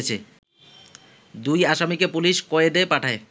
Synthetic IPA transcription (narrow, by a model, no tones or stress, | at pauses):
t͡ɕʰe | d̪ujaʃamikepuliʃkoed̪epaʈʰae